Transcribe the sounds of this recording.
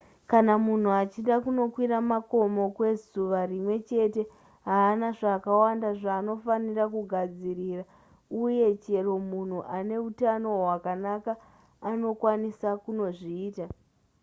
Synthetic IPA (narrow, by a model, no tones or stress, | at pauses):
kanamun̤uat͡ʃiɗakuno̞kwiɾamako̞mo̞kwe̞zuʋarimwe̞t͡ʃe̞te̞ | ɦaːnaʐaːkawandaʐaːno̞fanirakuɡʱad͡zirira | uje̞t͡ʃe̞ro̞mun̤uʔane̞utano̞ɦwakanakaː | no̞kwanisakuno̞ʐiːta